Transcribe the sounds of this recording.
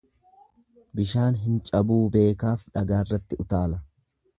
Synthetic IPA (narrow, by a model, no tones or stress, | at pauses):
bɪʃaːnɦɪnt͡ʃʼɐbuːbe̞ːkaːfᶑɐɡaːrːɐt̪ːɪʊt̪aːlɐ